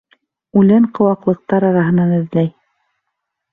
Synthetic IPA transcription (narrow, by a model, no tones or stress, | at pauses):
ʉlæɴqɤ̆wɑqlˠɤ̆q̚t̪ɑɾɑɾɑɦɤ̆nɑnɘ̆ðlæj